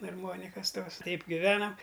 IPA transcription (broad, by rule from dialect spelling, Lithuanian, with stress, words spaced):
ɐrˈmoːnʲɪkɐs toːs ˈtɐɪp ɡʲɪˈʋʲæːnɐm